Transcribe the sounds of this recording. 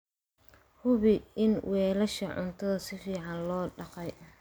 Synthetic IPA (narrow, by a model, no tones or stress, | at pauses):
hʊβɪɪnwɛːlɐʃɐ̰ʕʊ̰nt̪ʰɐðɐsɪfiːʕɑnlɔːɖɑqɑj